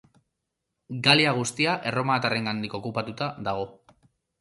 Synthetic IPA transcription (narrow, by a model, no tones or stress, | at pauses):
ɡaliaɣ̞ust̪iaʔe̞ro̞maːt̪are̞ŋɡand̪iko̞kupat̪ut̪aðaɣ̞o̞